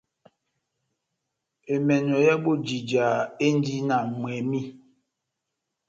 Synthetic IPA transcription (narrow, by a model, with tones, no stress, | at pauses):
e˨mɛ˨nɔ˨ja˦bo˦d͡ʒi˨d͡ʒa˨e˦n˦di˦na˨mwɛ˨mi˦